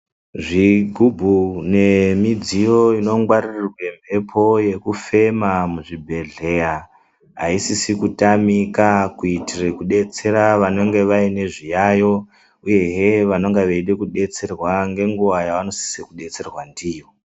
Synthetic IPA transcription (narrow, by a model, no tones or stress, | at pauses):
ʐiɡʱubʱune̞mid͡zijo̞ino̞ŋɡwaririrwe̞mbʰʱe̞pʰo̞je̞kufe̞mamuʐibʱe̞ɮe̞ja | ɦaisisikutamikakuitirekuɗe̞t͡se̞ɾaʋano̞ŋɡe̞ʋaine̞ʐijajo̞ | uje̞ɦeʋano̞ŋɡeʋeiɗekuɗe̞t͡se̞rwaŋɡe̞ŋɡuʋajaʋano̞si̥sikuɗe̞t͡se̞rwandiːjo